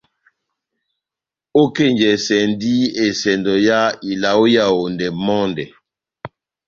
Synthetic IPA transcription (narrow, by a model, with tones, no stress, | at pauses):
o˦ke˦˨ɲd͡ʒɛ˨sɛ˨ndi˦e˨sɛ˨ndɔ˨ja˦i˨la˨o˦ja˦˨wo˨ndɛ˨mɔ˦ndɛ˨